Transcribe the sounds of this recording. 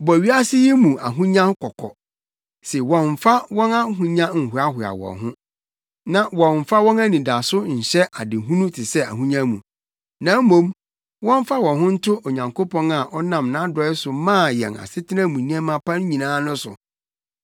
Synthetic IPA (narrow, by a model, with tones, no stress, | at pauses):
bɔ˨ɥi˦a˦sɪ˦jɛ˦mũ˨ʔa̰˨ɦũ˦ɲã˦hʊ˦kʰɔ˨kʰɔ̰˨ | sɛ˨wɔ̃˨ɱ˨fa˦wɔ̃˦na˦ɦũ˦ɲã˦ŋ̩˨hʊ˨a˦hʊ˨a̰˨wɔ̰̃˨ɦʊ̰̃˦ | nã˨wɔ̃˨ɱ˨fa˦wɔ̃˦na˦nĩ˨da˨sʊ˦ɲ̩˨ɕɛ˦ʔa˨dɪ˨ɦũ˦nũ˦tʰɪ˨sɛ˦a̰˨ɦũ˦ɲã˦mũ˨ | nã˨˦mːõ˦m | wɔ̃˦ɱ˦fa˦wɔ̃˨ɦʊ̃˦n̩˦tʰʊ˦ʔo˨ɲã˨ŋkʰo˦pʰɔ̃˦na˨ʔɔ˦nã˨mnã˦dɔ˨˦ɪ˦sʊ˨mãː˦˨jɛ̰̃˨na̰˨sɪ˦tʰɪ˦nã˦mũ˨nĩ˦a˦mã˨˦pʰã˦n˦ɲĩ˨nãː˦nʊ̃˦sʊ̰˨